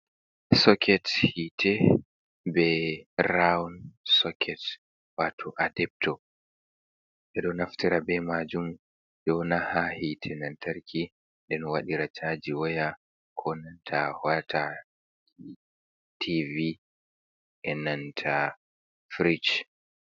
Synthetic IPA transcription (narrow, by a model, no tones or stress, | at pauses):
sɔkʰɛthitʰɛ | bɛɾawnsɔkʰɛt | watʰɔʔadɛp̚tɔ | ʔɛɗɔnaftiɾabɛmad͡ʒum | ɗɔnahahitʰɛnantʰaɾkʰi | ɗɛnwaɗiɾat͡ʃʰad͡ʒiwɔja | kʰɔnantʰahwatʰa | tʰivi | ʔɛnantʰa | fɾit͡ʃ